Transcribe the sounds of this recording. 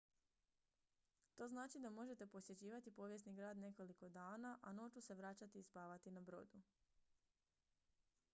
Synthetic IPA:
t̪o̞znaːt͡ʃid̪amo̞ʒe̞t̪e̞po̞sje̞t͡ɕiːʋat̪ipo̞ʋje̞sniɡɾaːd̪ne̞ko̞liko̞d̪aːnaʔano̞ːt͡ʃuse̞ʋɾaːt͡ɕat̪iːspaːʋat̪inabɾo̞̰ːd̪u

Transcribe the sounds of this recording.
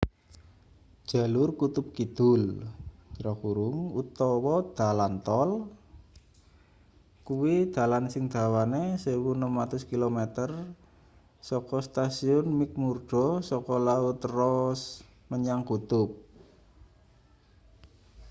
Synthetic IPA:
ʒ̥a̤lʊrkut̪ʊp̚kid̪̥ʊl | ɾakuɾʊŋut̪ɔwɔd̪̥a̤lant̪ɔl | kuwid̪̥a̤lansɪŋd̪̥a̤wanesewunəmat̪ʊskilomet̪ər | sɔkɔst̪asiʊnmik̚murd̪̥ɔ̤sɔkɔlaʊt̪rɔs | məɲaŋkut̪ʊp̚

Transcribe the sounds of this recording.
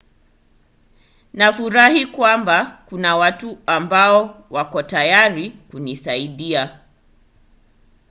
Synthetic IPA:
nafuɾahikwambakunawatuambaɔwakɔtajaɾikunisaiɗia

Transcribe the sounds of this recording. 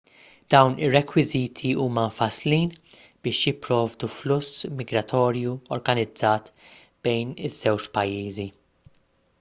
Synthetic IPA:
d̪̥ɐwnɪrːɛkwɪziːt̪ʰiuːmɐfɐsliːn | b̥ɪːʃjɪpːɾɔːvd̪uflʊsːmɪɡɾɐt̪ʰɔːɾjuɔɾɡɐnɪd͡zːɐːt̪ | b̥ɛjnɪz̥ːɛwt͡ʃpɐjːiːzi

